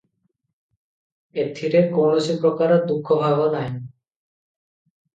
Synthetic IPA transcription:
et̪ʰːiɾekonosipɾokaɾod̪ukʰːobʱabonaj

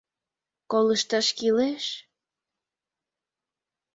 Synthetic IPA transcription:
koləʃt̪ɑʃkileʃ

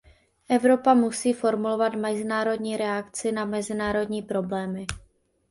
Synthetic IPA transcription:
ʔɛvɾo̞pamusiːfo̞ɾmulo̞vat̪mɛzɪnaːɾo̞dɲiːɾɛakt͡sɪnamɛzɪnaːɾo̞dɲiːpɾo̞blɛːmɪ

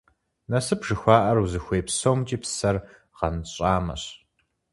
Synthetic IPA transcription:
nɐsɨpʐ̥ɨxʷaːʔɐruzɨxʷeːpsowmt͡ʃʼiːpsɐr | ʁɐnɕʼaːmɐ̰ɕ

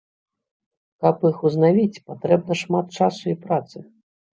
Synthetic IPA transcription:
kɐpixuznavʲit͡sʲpat̪ɾɛb̚nɐʂmat̪̚t͡ʂasuipɾat̪sɨ

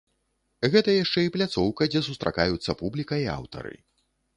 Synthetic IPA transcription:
ɣɛt̪ɐjaʂt͡ʂɛiplʲat̪sɔwkɐd͡zʲɛsust̪ɾa̰kajut̪sːɐpublʲikɐia̰wt̪ɐ̰ɾɨ̰

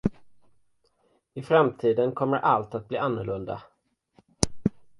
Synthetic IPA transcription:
ɪfɾamt̪ʰiːd̪ənkʰɔmːəɾʔalt̪at̪̚bliːanːʊɭɵnd̪a̰

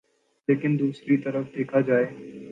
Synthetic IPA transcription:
leːkɪnd̪uːsɾit̪ɐɾəfd̪eːkʰad͡ʒaːeː

